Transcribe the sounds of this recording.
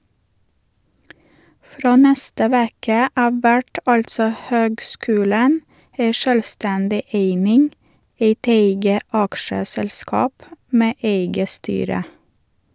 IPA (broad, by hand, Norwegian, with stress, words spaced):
ˈfɾoː ˈnɛstə ˈʋeːkə ˈɑːʋ ˈʋæʈ ˈɑltsɔ ˈhøːɡˌskʉːlən ˈæɪ ˈʃøːlˌstɛndɪ ˈeɪnɪŋ ˈeɪt ˈeɪɡə ˈɑkʃəsɛlˌskɑːp ˈmeː ˈʔeɪɡə ˈstyːɾə